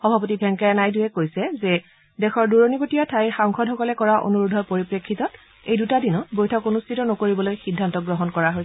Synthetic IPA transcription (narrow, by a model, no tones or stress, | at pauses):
xɔbʱapotibʱɛŋkajanajdujɛkojsɛzɛ | dɛxɔɹduɹonikotijatʰajxaŋxɔdɦɔkɔlɛkɔɹaʔo̰nuɹudʱɔpoɹipɹekʰːitɔt | ejdutadinɔbojtʰɔkonustʰitɔnokoɹibɔlojxidʱːantɔɡɹɔɦɔnkɔɹaɦoj